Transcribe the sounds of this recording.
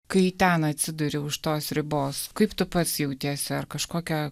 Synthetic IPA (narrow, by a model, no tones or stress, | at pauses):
kɐɪt̪ʲɛnɐt̪ʲsʲɪd̪ʊɾʲɪʊʃt̪oːsɾʲɪboːskɐɪpt̪ʊpɐt̪sjɛʊt̪ʲiɛsʲɪɐrkɐʃkoːkʲɛ